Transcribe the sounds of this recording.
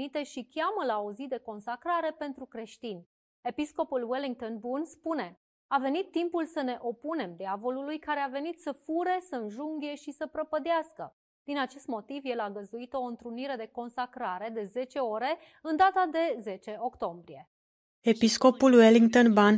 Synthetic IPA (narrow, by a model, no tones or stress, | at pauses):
it̪e̞ʃikʲaməlao̞zid̪e̞ko̞nsakɾaɾe̞pe̞nt̪ɾukɾe̞ʃt̪inʲ | e̞pisko̞pulweliŋɡ̚t̪onbunspune̞ | ave̞nit̪ːimpulsəne̞ʔo̞pune̞md̪iavo̞lulujkaɾe̞ave̞nit̪səfuɾe̞səɨnʒuŋɡʲe̞ʃisəpɾəpəd̪easkə | d̪̥inat͡ʃe̞st̪mo̞t̪ivje̞laɡəzd̪uit̪o̞ɨnt̪ɾuniɾe̞d̪e̞ko̞nsakɾaɾe̞d̪e̞ze̞t͡ʃe̞o̞ɾe̞ | ɨnd̪at̪ad̪e̞ze̞t͡ʃe̞o̞kt̪o̞mbɾije̞ | e̞pisko̞pulweliŋ̚t̪onban